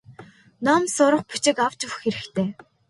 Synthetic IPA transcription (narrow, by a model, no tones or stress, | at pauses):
namsʊɾə̆χpu̥t͡ɕɪ̆kaw̥t͡ɕʊwxeɾɘ̆xt̪ʰeː